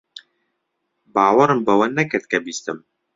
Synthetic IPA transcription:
baːwɐɾɨmbɐwɐnːɐkɨɾt̪̚kɐbiːst̪ɨm

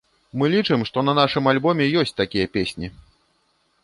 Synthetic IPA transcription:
mɨlʲit͡ʂɨmʂt̪ɔnɐnaʂɨmalʲbɔmʲɛjɔsʲt͡sʲt̪akʲijɐpʲesʲnʲi

